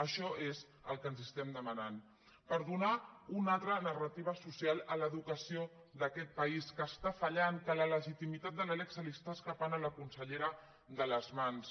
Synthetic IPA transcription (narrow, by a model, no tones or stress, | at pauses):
əʃɔʔez | əlˠkənzəst̪ɛmd̪əmɐnan | pəɾðunaunalˠt̪ɾənərət̪iβ̞əsusialˠələðukəsio | ðəkɛt̪̚pəiskəːst̪afəʎaŋkələləʒit̪imit̪at̪̚d̪ələlɛksəlist̪askəpanələkunsəʎeɾə | ðələzmans